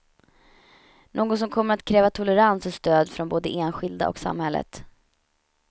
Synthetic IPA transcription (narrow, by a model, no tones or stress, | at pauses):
nʔoːɡɔt̪sɔmkʰɔmːəɾat̪kʰɾɛːvat̪ʰɔlɛɾansəst̪øːd̪fɾɔnboːd̪əʔeːnɧɪld̪a̰ʔɔ̰ksa̰mhɛlːə̰t̪